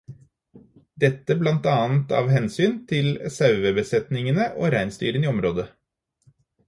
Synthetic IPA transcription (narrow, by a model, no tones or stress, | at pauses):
d̪ɛt̪ːəblɑnt̪ɑːnt̪ɑ̰ːʋhɛnsyːnt̪ʰɪlsɑʉʋəbəsɛt̪nɪŋənəʔo̰ːɾæɪnst̪y̰ːɾəniːɔmɾoːd̪ə